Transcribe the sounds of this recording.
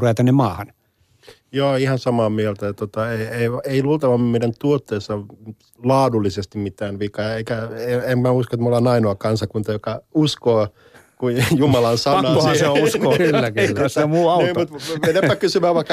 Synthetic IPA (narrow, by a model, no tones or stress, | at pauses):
ruʋet̪ænːemɑːhɑn | joːihɑnsɑmɑːmielt̪æjɑt̪ot̪ɑeieieiluːlt̪ɑʋɑmmeidænt̪uot̪ːeːsːɑ | lɑːdulːisest̪immit̪æːnʋikɑeikæeemmæuskoet̪molɑːnɑinoɑkɑnsɑkunt̪ɑjokɑuskoː | kujjumɑlɑnsɑnɑoseouskokylːæk̪ːoeommuːɑuniːmmut̪ʋenepːækysyʋæːʋʋɑikːɑ